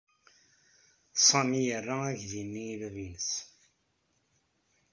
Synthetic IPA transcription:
sˤɑmijərːaæʝðinːilrinəs

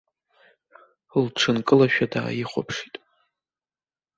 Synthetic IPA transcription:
lʈ͡ʂʰɨnkʼɨlaʃᶣada̰ːjiχʷo̰pʰʂitʼ

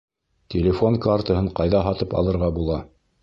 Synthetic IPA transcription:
t̪ʲelʲɪfoŋkart̪əɦɤɴqɑjðɑɦɑt̪ɤpɑ̰lˠɤ̆ɾʁɑbulˠɑ

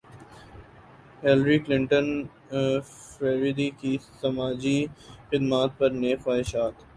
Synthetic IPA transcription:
helɾiklɪ̃ɳʈə̃n | fɾeːɾid̪ikisɐmaːd͡ʒixɪd̪maːt̪̚pɐɾneːxwaːɪʃaːt̪

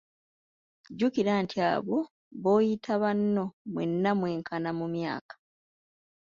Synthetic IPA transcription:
ɟukiɾaːntʰia̰ːβo | βo̞ːjitʰaβanːo̞mwḛnːamwe̞ːŋkʰanamumja̰ːkḁ

